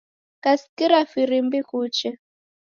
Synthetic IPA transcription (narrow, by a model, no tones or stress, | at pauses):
kaskiɾafiɾimbikut͡ʃɛ